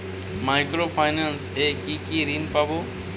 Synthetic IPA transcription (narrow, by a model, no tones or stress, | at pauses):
maɪkɾoːpʰaɪnanseːkiːkiːɾiːnpaboː